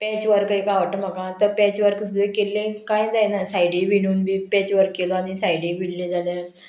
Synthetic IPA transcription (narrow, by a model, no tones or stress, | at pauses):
pɛt͡ɕʋəɾkaikaʋəʈːəm̤əɡat̪əpɛt͡ɕʋəɾksud̪ʱekelːẽkajd͡zajnasajɽiːʋiɳ̃uːnbiːpɛt͡ɕʋəɾkːeloanisajɽiʋiɽlĩd͡zala